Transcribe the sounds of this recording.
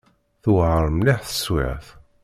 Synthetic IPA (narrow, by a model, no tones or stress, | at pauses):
θwʕəɾˤmlɪħθə̥swɪ̰ʁθ